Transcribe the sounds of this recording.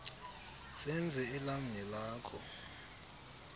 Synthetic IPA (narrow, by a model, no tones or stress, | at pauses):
sɛnd͡zʱɛːlam̩ɲɛlaːkʰɔ̰